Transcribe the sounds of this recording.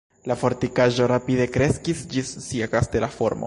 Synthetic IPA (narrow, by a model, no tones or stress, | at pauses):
lafo̞ɾtikaʒo̞ɾapide̞kɾe̞skisd͡ʒisːiakast̪e̞lafoɾmo̰